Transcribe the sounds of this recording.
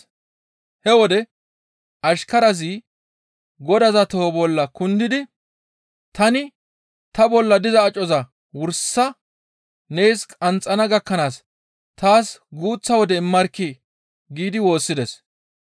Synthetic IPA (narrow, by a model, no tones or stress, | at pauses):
hɛwɔd̪ɛ | ɐʃkɐɾɐz̬iː | ɡɔd̪ɐzɐt̪obɔlːɐkʊnd̪ɪd̪ɪ | t̪ɐnɪ | t̪ɐbɔlːɐd̪ɪzɐːt͡ʃʼɔzɐ | wʊɾsːɐ | nejskʼɐnt͡sʼːɐnɐɡɐkːɐnaːs | t̪aːsɡuːt͡sːɐwɔd̪ɛɪmːɐɾkːɪ | ɡiːd̪ɪwo̞ːsːɪd̪ɛs